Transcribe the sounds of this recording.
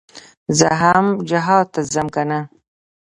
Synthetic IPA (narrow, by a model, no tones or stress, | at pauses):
zəɦamd͡ʒaɦɑːt̪azamkana